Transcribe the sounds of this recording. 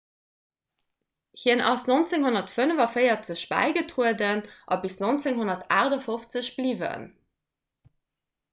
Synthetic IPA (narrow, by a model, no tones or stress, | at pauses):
hiənʔɑsnont͡seŋhonɐtfənəvɐfəjɐt͡səɕb̥æ̰ɪɡətʁuədənʔɑ̰bisnont͡seŋɦonɐtʰaːʁdɐfoft͡səɕb̥livə̰n